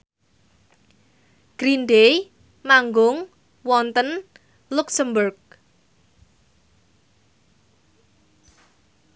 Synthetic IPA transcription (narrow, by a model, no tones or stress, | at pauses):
ɡ̥ɾinɖej | maŋɡʊŋ | wɔnt̪ən | luksəmburɡ̚